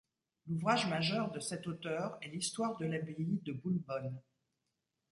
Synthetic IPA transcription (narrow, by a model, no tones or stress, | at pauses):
luvʁaʒmaʒœʁd̪əsɛt̪ot̪œʁɛlist̪waʁd̪əlabeid̪əbulbɔn